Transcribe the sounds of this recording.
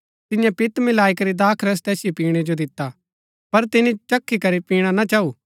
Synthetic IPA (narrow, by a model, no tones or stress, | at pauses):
t̪ɪjãpɪt̪mɪlaːikɐɾid̪aːkʰɾɛs̬t̪ɛːsɪjipiːɽ̃ed͡ʒod̪ɪt̪ːa | pɐɾt̪ɪnit͡ʃɐkʰːikɐɾipiːɽ̃anat͡ʃaːuː